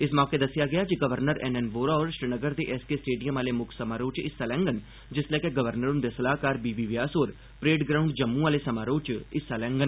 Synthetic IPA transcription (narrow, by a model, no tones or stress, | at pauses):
ɪsmɔ̃ːked̪əsːijaːɡɪjaːkiɡəʋəɾnəɾɛnɛnʋoːɾaɔːɾʃɾɪnəɡəɾd̪eːʔɛːskesʈeːɖijəmaːlemʊkʰsəmaːɾoːt͡ʃɪsalɛ̃ːŋɡən | d͡ʒɪslɛːkeɡəʋəɾnəɾʊnd̪esəlaːkaːɾbiːbiːʋjaːsoːɾ | pɾeːɖɡɾaːũɳɖd͡ʒəmːũaːlesəmaːɾoːt͡ʃɪsaːlɛ̃ːŋɡən